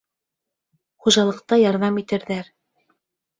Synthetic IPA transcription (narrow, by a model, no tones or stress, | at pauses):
χuʒɑlˠɤ̆q̚t̪ɑjɑɾðɑmit̪ɘ̆ɾðæɾ